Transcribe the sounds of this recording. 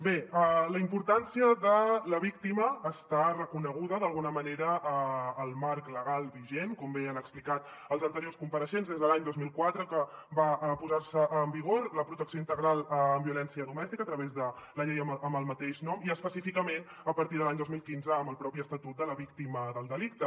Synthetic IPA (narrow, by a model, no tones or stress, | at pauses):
beələimpuɾt̪ansiəðələβik̚t̪iməːst̪arəkunəɣ̞uðəðəlˠɣunəməneɾəəːlˠmaɾkləɣalˠβiʒenkɔmbeənəksplikat̪ | əlˠzənt̪əɾiorskumpəɾəʃenzðezðəlaɲd̪ozmilˠkwat̪ɾəkəbapuzaɾsəʔəmbiɣ̞oɾləpɾut̪əksioint̪əɣɾalˠəmbiulɛnsiəðumɛst̪ikəːt̪ɾəβezðələʎejəəmbəlˠmət̪eʃnɔmiəspəsifikəmen | əpəɾt̪iðəlaɲd̪ozmilˠkinzəːmbəlˠpɾɔpiəst̪ət̪ut̪̚d̪ələβik̚t̪iməðəlˠd̪əlik̚t̪ə